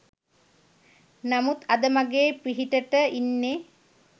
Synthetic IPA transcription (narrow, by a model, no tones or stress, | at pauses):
namut̪ad̪əmaɡeːpɾiɦiʈəʈəinːe